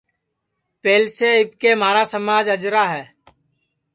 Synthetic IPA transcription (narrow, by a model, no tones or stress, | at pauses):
peːlseɪb̚keːmaːɾaːsəmaːd͡ʒəd͡ʒɾaːɦɛː